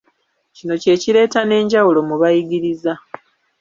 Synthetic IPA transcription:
cino̞ce̞ːciɾe̞ːtane̞ːɲɟawulo̞muβajiɡiɾiza

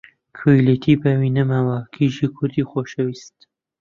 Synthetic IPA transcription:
kʰujlet̪ʰiːbɐwiːnɨmawaːkʰiʒiːkʰʊɾd̪iːxoːʃɐwiːst̪

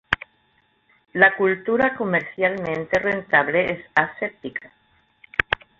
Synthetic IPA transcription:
lakult̪uɾakomeɾθjalmẽnt̪e̞rent̪aβleʔesaset̪ika

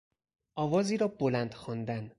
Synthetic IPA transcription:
ʔɒːvɒːziːɾɒːbolænd̪xɒnd̪æn

